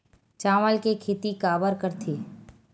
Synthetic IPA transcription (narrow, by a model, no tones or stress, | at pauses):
t͡ʃaːʋəlkekʰeːt̪ikaːbəɾkəɾt̪ʰiː